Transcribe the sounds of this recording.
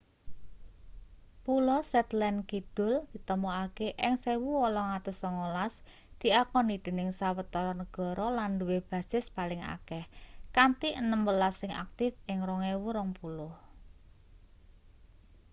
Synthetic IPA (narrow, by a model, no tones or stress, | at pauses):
pulɔsɛt̪lɛnkid̥ʊ̤ld̪̥i̤t̪əmɔakeʔɪŋsewuwɔlɔŋat̪ʊsɔŋolas | d̪̥i̤akɔnid̪̥e̤nɪŋsawət̪ɔɾɔnəɡ̥ɔ̤ɾɔlanduweb̥ä̤sɪspalɪŋa̰kɛhkant̪iʔənəmbəlasɪŋa̰k̚t̪ɪfɪŋɾɔŋewuɾɔŋpulʊh